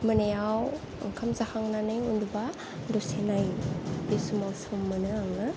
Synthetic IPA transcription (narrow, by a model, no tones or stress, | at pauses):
mɯnajaw̰ | ŋkʰamzakʰaŋnanɯjunduba | dɔsenajdisumawsɯmːɯnɯaŋnɯ